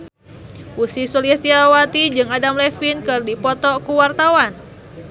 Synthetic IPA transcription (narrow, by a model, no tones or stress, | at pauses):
usisuliɛst̪iaawat̪id͡ʒɨŋadamlɛfinkɨrdipɔt̪ɔkuwart̪awan